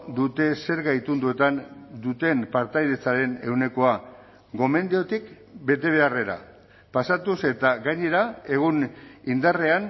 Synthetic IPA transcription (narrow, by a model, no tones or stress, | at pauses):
d̪ut̪e̞se̞ɾɣajt̪und̪ue̞t̪and̪ut̪e̞mpaɾt̪ajðe̞t͡saɾe̞ne̞wne̞ko̞a | ɡo̞me̞nd̪eo̞t̪ik | be̞t̪e̞β̞e̞are̞ɾa̰ | pasat̪use̞t̪aɣaɲe̞ɾae̞ɣunind̪are̞an